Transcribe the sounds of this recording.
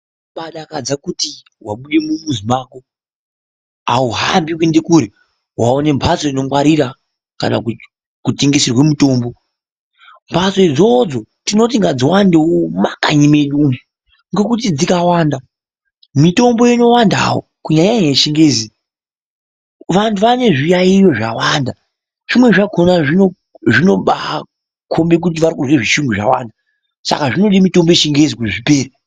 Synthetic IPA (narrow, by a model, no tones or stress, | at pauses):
ɓaɗakad͡zakuti | waɓuɗe̞mumuzimaːko | a̰uɦa̰mbikwendekuɾe | waone̞mbʱaso̞ino̞mwaɾiɾa | ka̰na̰ | kutiŋɡisirwe̞muto̞ːmbo̞ | mbʱaso̞id͡zo̞d͡zo̞tino̞t̬iŋɡad͡ziwandeomakaɲimeɗumu | ŋɡe̞k̬ut̬id͡zikawaːnda | mito̞mbo̞ino̞wanda̰wo̰kuɲaɲaɦeʃiŋɡeːzi | ʋantʰuʋane̞ʐijaijo̞ʐawaːnda | ʐ̥imwe̞ʐakʰonaʐino | ʐino̞ɓa | kʰo̞mbe̞k̬ut̬iʋaɾikuzweʐiʃuŋɡuʐa̰wa̰ːnda | sa̰kaʐino̞ɗimito̞mbo̞jeʃiŋɡezikweʐipe̞ːɾi